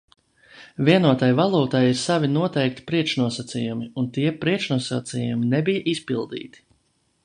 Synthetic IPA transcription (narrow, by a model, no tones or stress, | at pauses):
viɛnuɔt̪ajvalˠuːt̪ajiɾsavinuɔt̪ɛjk̚t̪ʲi̥pɾiɛkʃnuɔsat̪sijumiunt̪iɛpɾiɛʃnuɔsat̪sijuminɛbijʔispilˠd̪ḭːt̪i̥